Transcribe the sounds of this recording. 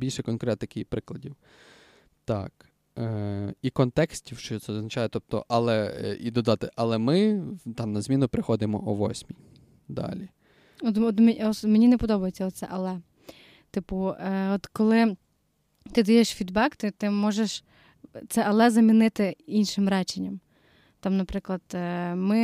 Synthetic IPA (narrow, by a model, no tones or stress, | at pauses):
bʲilʲʃɛkɔnkɾɛt̪ɪkɪjpɾɪklˠɐdʲiw | t̪ɑ̰k | ikɔnt̪ɛksʲtʲiwʃt͡ʃɔt̪sɛɔznɐt͡ʃɑjɛt̪ɔp̚t̪ɔ̰ʔɐlˠɛid̪ɔd̪ɑt̪ɪʔɐlˠɛmɪt̪ɑmnɐzʲmʲinʊpɾɪxɔd̪ɪmɔ̰ʔɔʋɔ̰sʲmʲi | d̪ɑ̰lʲi | ɔt̪ɔt̪meɔmenʲinɛpɔd̪ɔbɐjet͡sʲɐɔt̪sɛ̰ʔɐlˠɛ | t̪ɪpʊɔt̪kɔlˠɪ | t̪ɪd̪ɐjɛʃfʲid̪bɛkt̪ɪt̪ɪmɔʒeʃ | t̪sɛʔɐlˠɛzɐmʲinɪt̪ɪinʃɪmɾɛt͡ʃenʲːɐm | t̪ɑmnɐpɾɪklˠɐd̪̥mɪ